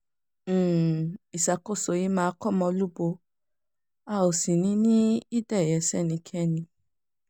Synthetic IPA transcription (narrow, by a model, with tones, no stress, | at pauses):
i˨sa˨ko˦˨so˨ji˦mãː˦˧˦kɔ˦˨mɔ̃˧lu˦bo˧ | a˧˨o˨si˨nĩ˨˦nĩ˦i˦dɛ˦˨jɛ˨˦sɛ˦˨nĩ˧kʰɛ˦˨nĩ˧